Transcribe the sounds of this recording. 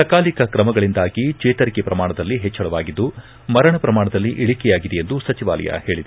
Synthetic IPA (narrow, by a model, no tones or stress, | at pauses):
sɐkaːlikɐkɾɐmɐɡɐɭind̪aːɡit͡ʃɛːt̪ɐɾikɛpɾɐmaːɳɐd̪ɐlːiɦɛt͡ʃːɐɭɐʋaːɡid̪ːu | mɐɾɐɳɐpɾɐmaːɳɐd̪ɐlːiʔiɭikɛjaːɡid̪ɛjend̪usɐt͡ʃiʋa̰ːlɐ̰jɐ̰he̞ːɭid̪e